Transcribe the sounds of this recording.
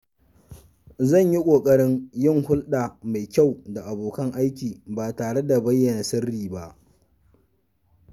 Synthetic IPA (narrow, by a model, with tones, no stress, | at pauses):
zɐ˦˨ɲji˦kʷʼoː˨kʼɐ˦ɽɪ˦ŋjɪ˦ŋhʊ˦lɗa˨ma˨jkʲa˦˨wda˨ʔa˨boː˨kɐ˦ŋʔa˦jkʲiː˨baː˨taː˨ɽe˦da˨bɐ˦jːɐ˨na˨sɐ˦rːiː˨ba˦ʔ